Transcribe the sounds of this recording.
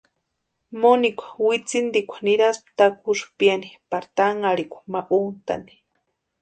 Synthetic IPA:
monikʷḁwit͡sind̪ikʷḁniɾasp̚t̪akʷʰuʃpjanipaɾt̪aŋaɽikʷḁmaʔunt̪a̰ni̥

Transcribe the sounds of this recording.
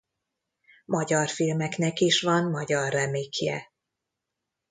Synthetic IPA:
mɒɟɒrfilmɛknɛkiʃʋɒnmɒɟɒrːɛmeːkjɛ̰

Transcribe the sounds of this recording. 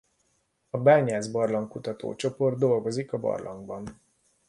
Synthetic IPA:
ɒbaːɲaːzbɒrlɒŋkːut̪ɒt̪o̰ːt͡ʃo̞pord̪ːo̞lɡo̞zikɒbɒ̰rlʔɒ̰ŋɡbɒn

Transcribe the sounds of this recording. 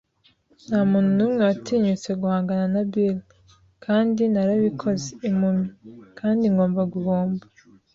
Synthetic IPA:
nhamuːnunumŋe̞watʰiːɲut͡se̞ɡuhaːŋɡananabil | kʰaːndinaɾaβikʰo̞zeimumikʰaːndiŋɡo̞ːmbaɡuβoːmba

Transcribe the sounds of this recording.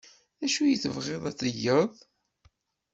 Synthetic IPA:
æʃujəθəvʁeðˤæt͡sːəjːəðˤ

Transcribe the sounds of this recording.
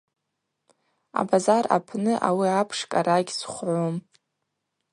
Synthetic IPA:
a̰bazara̰pʰnɨʔawiapʰʂkʼaɾaɡʲsχʷʕʷom

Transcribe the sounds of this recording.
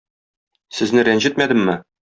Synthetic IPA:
sɘ̆znɘɾænʑɘt̪̚mæd̪ɘ̆mːɘ

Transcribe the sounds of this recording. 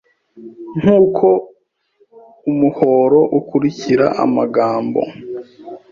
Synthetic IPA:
ŋ̥uːkʰo̞ | umuho̞ːɾo̞ʔukuɾiciɾa̰ʔa̰maɡaːmbo̞̰

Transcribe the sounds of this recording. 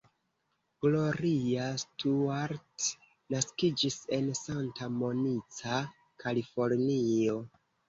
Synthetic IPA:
ɡ̥lo̞ɾiastuaɾt | naskid͡ʒise̞nsantamo̞nit͡sa | kʰalifo̞ɾnio̞

